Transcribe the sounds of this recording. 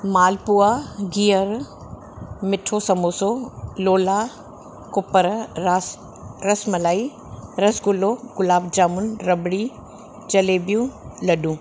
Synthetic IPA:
maːlpuaɡiːəɾ | mɪʈʰosɐmoːsoloːla | kʊpəɾ | ɾɐsmɐlaːi | ɾɐsɡʊloɡʊlaːb̚d͡ʒaːmʊnɾɐbɽi | t͡ʃɐleːbijũlɐɗũː

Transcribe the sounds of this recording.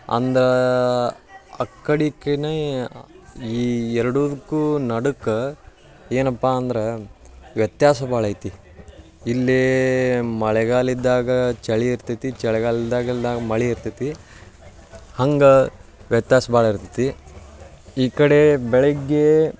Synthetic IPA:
ɐ̰nd̪ɐɾe | ɐkːɐɽikene | iːɛɾɐɽud̪ukːuːnɐɽukɐ | eːnɐpːaːnd̪ɐɾeʋjɐt̪jaːsɐbaːɭɐjt̪i | ilːe | mɐɭɛɡaːlid̪ːaːɡɐt͡ʃɛɭiiɾt̪it̪it͡ʃɛɭɛɡaːlid̪ːaːɡid̪aːɡɐmɐɭiiɾt̪it̪i | hɐŋɡɐʋjɐt̪jaːsɐbaːɭiɾt̪i̥t̪i | iːkɐɽebɛɭɛɡːe

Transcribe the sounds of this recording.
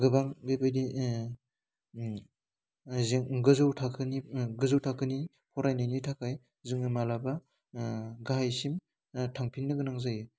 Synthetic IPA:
ɡɯbaŋɡɯjbɯjdi | ziŋɡɯzɯwtʰakʰɯniɡɯzɯwtʰakʰɯni | pʰɔɾajnɯjnitʰakʰaj | zɯŋɯmalaba | ɡaɦajsim | tʰaŋpʰinːɯɡɯnaŋzajɯ

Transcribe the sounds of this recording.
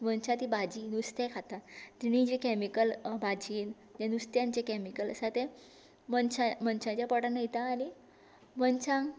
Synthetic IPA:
ʋənt͡ɕãt̪ibad͡ʑiːnust̪ekʰat̪at̪iñĩd͡ʑekɛmikəlbad͡ʑiːn | d͡ʑãnust̪jãnt͡ɕekɛmikələsat̪e | mənt͡ɕãmənt͡ɕãt͡ɕjapɔɽanəit̪aːni | mənt͡ɕãŋɡ

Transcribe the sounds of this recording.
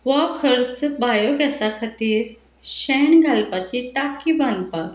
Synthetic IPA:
ʋakʰəɾt͡sbajoɡɛsakʰat̪iːɾ | ɕɛɳɡʱalpat͡ɕiʈakibãnpa

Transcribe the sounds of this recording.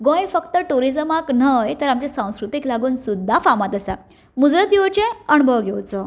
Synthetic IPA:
ɡõjfəkt̪əʈuɾid͡zəmakn̤əjt̪əɾamt͡ɕasãw̃skɾut̪iklaɡuːnsud̪ʱːafamat̪əsa̰ | mud͡zɾət̪ewt͡ɕẽəɳ̃ubʱəʋɡʱewt͡sə

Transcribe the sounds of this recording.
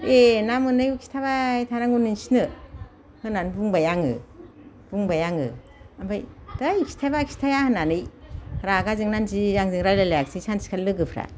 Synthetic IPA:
enamɯnɯjukʰi̥stʰaβajtʰanaŋuninsinɯ | hɯnanbuŋbajaŋɯ̰ | b̥uŋbajaŋɯ | ambajdajikʰi̥tʰabakʰi̥stʰajahɯnanɯjɾaɡazɯŋnanzizaŋzɯŋɾajlalajak̚sisansi̥kʰalɯɡɯpʰɾa̰

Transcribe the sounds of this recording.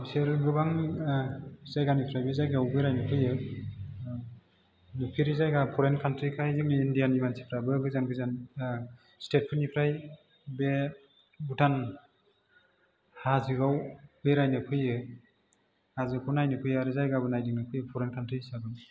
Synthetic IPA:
seɾɡɯbaŋ | zajɡanipʰɾajbezajɡawbeɾajnɯkʰɯjɯ | nɯpʰiɾizajɡapʰɔɾenkʰantɾikʰajdiŋnɯindijanimansi̥pʰɾabɯɡɯzanɡɯzan | stet̚pʰɯnipʰɾaj | be | butʰan | hazɯɡawbeɾajnɯpʰɯjɯ | hazɯkʰunajnɯkʰɯjaɾɯzajɡabɯnajdɯŋnɯkʰɯjɯpʰɔɾenkʰantɾisabɯn

